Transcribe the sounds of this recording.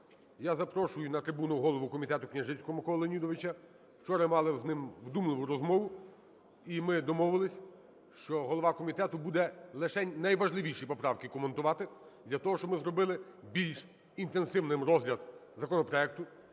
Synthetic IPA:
jazɐpɾɔʃʊjʊnɐt̪ɾɪbunʊɦɔlˠɔʋʊkɔmʲit̪ɛt̪ʊknʲɐʒɪt͡sʲkɔmɪkɔlˠɐlˠɐnʲid̪ɔʋɪt͡ʃɐ | wt͡ʃɔɾɐmɑlˠɪznɪmwd̪umlˠɪʋʊɾɔzmɔʋʊ | imɪd̪ɔmɔʋɪlˠɪsʲ | ʃt͡ʃɔɦɔlˠɔʋɑkɔmʲit̪ɛt̪ʊbud̪ɛlˠɪʃɛnɐjʋɐʒlˠɪʋʲijʃɪjpɔpɾɑwkʲɪkɔment̪ʊʋɑt̪ɪd̪ʲlʲɐt̪ɔɦɔʃt͡ʃɔbmɪzɾɔbɪlˠɪbʲilʲʃ | int̪ensɪwnɪmɾɔzʲlʲɐd̪ | zɐkɔnɔpɾɔɛk̚t̪ʊ

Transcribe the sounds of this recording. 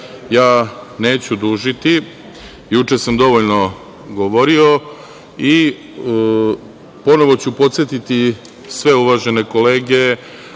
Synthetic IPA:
jaːne̞ːt͡ɕud̪uːʒit̪i | jut͡ʂe̞samd̪o̞ʋoʎno̞ | ɡoʋo̞ɾio̞ | i | po̞no̞ʋot͡ɕupo̞t̪sjet̪it̪i | sʋe̞uʋaʒene̞ko̞le̞ːɡe̞

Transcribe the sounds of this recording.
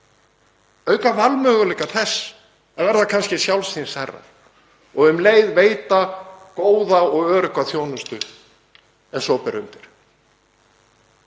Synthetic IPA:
œːɥkavalmœːɣʏlɛkaθɛsː | avɛɾðakʰanscɪsjawlsinsɛrːa̰ɾ̥ | ɔɣʏmleːjðveːjt̪akoːwðaɔɣœːɾʏkʰvaθjoːwnʏst̪ʏ | ɛ̥sɔːpɪɾʏmt̪ɪɾ̥

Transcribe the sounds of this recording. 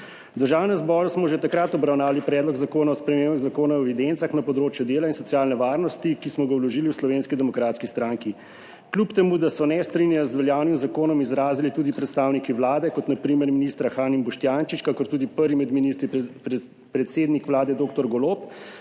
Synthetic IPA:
d̪əɾʒaːwnɛmzbɔːɾusmɔʒet̪akɾat̪ɔbɾawnaːwalipɾɛːd̪lɔɡzakoːnaɔspɾɛmeːmɣzakoːnaɔɛʋid̪ent̪saxnapɔd̪ɾoːt͡ʃjud̪eːlainsɔt̪sjaːlnɛʋaːɾnɔst̪ikismɔɡawlɔʒiːliwslɔʋeːnskid̪ɛmɔkɾaːt̪skist̪ɾaŋki | klupt̪ɛmuːd̪asɔnɛst̪ɾinjaɔzʋɛljaːwnimzakoːnɔmizɾaːzilit̪uːd̪ipɾɛt̪st̪aːwnikiʋlaːd̪ɛkɔt̪napɾimɛɾminist̪ɾaxaːnimbɔʃt̪jaːnt͡ʃit͡ʃkakɔɾt̪uːd̪ipəɾʋimɛd̪minist̪ɾi | pɾɛt̪seːd̪nikʋlaːd̪ɛd̪oːkt̪ɔɾɡɔlop

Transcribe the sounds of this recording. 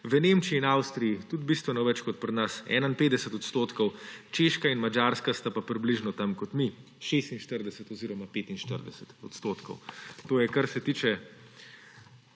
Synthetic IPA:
ʋənemt͡ʃiːnawst̪ɾijit̪ud̪bist̪ʋɛnɔʋɛt͡ʃkɔt̪̚pɾɛnasɛ̰ːnainpeːd̪ɛsɛt̪ɔt̪st̪oːt̪kɔwt͡ʃeːʃkainmad͡ʒaːɾskast̪apapɾibliʒnɔt̪amkɔt̪mi | ʃest̪inʃt̪əɾd̪ɛsɛt̪ɔziːɾɔmapeːt̪inʃt̪əɾd̪ɛsɛt̪ɔt̪st̪oːt̪kɔwt̪oːjɛkaɾsɛt̪iːt͡ʃɛ

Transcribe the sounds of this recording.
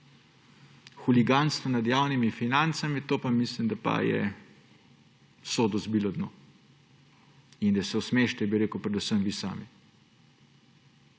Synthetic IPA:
xuliɡant̪st̪ɔnad̪jaːwnimifinant̪samit̪oːpamislimd̪apa̰jɛ̰ | soːd̪ɔzbiːlɔd̪no̰ | ind̪asɛɔsmeʃt̪ɛbiɾeːkəwpɾɛd̪usəmʋisa̰ːmi

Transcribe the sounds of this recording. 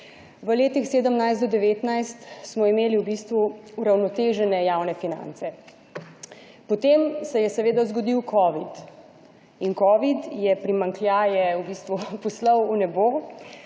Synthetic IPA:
ʋəleːt̪ixseːd̪əmnajzt̪d̪ɔd̪ɛʋeːt̪najst̪smɔimeːliuwbist̪ʋuuɾawnɔt̪eːʒɛnɛjaːwnɛfina̰nt̪sɛ | pɔt̪emsɛjɛsɛʋeːd̪ɔzɡɔd̪iwkʰɔːʋit̪ | inkɔːʋit̪jɛpɾimaŋkljaːjɛubiːst̪ʋupɔslɔwunɛbo

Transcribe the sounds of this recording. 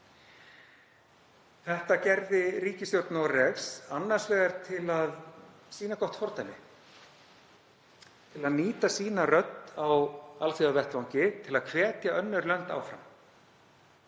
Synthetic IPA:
θɛht̪acɛɾðɪɾiːcɪsjowɾt̪narɛɣsanːaɾr̥svɛːɣaɾt̪ʰɪlað | siːnakɔht̪fɔɾt̪ajmɪ | t̪ʰɪlaðniːt̪asiːnarœt̪nawalθiðavɛht̪vawɲcɪt̪ʰɪlaðkʰvɛːt̪jaœnːʏɾlœn̥t̪a̰ːwfɾa̰m

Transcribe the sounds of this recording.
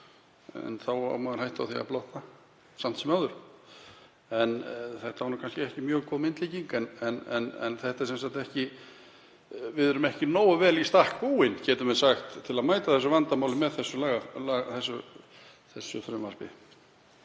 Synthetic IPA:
ɛ̰nθawa̰wmaɣɾ̥hajht̪a̰wθia̰plowht̪a | sam̥t̪sɛmawðʏɾ̥ | ɛnθɛht̪avaɾnuːkʰanscɪɛhcɪmjœːɣkʰɔmɪnt̪liːciŋkɛnɛnɛnɛ̰nθɛht̪aɛɾsɛnsaht̪ɛhcɪ | vɪðʏɾʏmɛhcɪnoːwavɛːlist̪ahkpuːɪncɛːt̪ʏmvɛsaxt̪ʰːɪlaðmaːjt̪aθɛs̬ːʏvant̪amaːwlɪmɛðθɛsːʏlaːɣalaːθɛsːʏ | θɛsːʏfɾœmaspɪ

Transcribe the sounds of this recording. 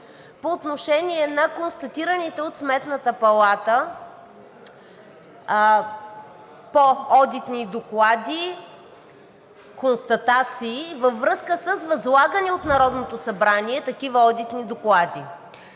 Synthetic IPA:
poːt̪noʃɛnʲiɛnɐkonst̪ɐt̪iɾənit̪ɛot̪smɛt̪nət̪əpɐlˠat̪ə | poɔd̪it̪nid̪oklˠad̪i | konst̪ɐt̪at̪siːvəvːɾɤskəsəsvɐzlˠaɡəniot̪nɐɾɔd̪not̪osɐbɾanʲiɛt̪ɐkivəɔd̪it̪nid̪oklˠad̪i

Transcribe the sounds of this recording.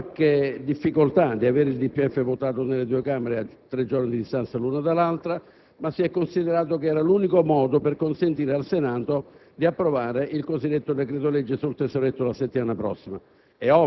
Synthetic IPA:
kːed̪ifːikolt̪ad̪iaveːɾeild̪ipːiɛfːevot̪aːt̪onelːed̪uekaːmeɾeat̪ːɾed͡ʒːornid̪id̪ist̪ansaluːnad̪alːalt̪ɾa | masːiɛkːonsid̪eɾaːt̪̬okeɛːɾaluːnikomɔːd̪operkonsent̪iːɾealsenaːt̪od̪iapːɾovaːɾeʔilkozid̪ːet̪ːod̪ekɾet̪olɛd͡ʒːesult̪esoɾet̪ːolaset̪ːimaːnapɾɔ̰sːima | ɛɔ

